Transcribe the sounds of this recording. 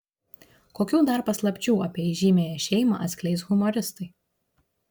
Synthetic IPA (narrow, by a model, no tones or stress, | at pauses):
koːkʲuːd̪ɐɾpɐslˠɐpʲt͡ʃʲuːɐpʲiɛɪʒʲiːmʲeːjɛʃʲɛɪmɑ̰ʔɐt̪sʲkʲlʲɛɪsɣʊmoːɾʲɪst̪ɐɪ